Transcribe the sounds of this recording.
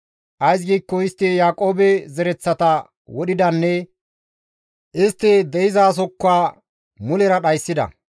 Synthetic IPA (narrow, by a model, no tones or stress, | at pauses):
ʔɐjs̬ɡiːkːɔɪst̪ːɛjaːkʼo̞ːbɛzɛɾɛt͡sːɐt̪ɐ | wɔɗɪd̪ɐnːɛ | ʔɪst̪ːɛd̪ɛɪzaːs̬ɔkːaː | mʊlɛɾɐɗɐjsːɪd̪ɐ̰